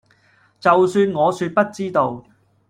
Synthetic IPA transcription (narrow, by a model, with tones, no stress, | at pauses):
t͡sɐ˨wsyː˧nŋɔː˨˧syː˧t̚pɐ˥t̚t͡siː˥t̪o˧w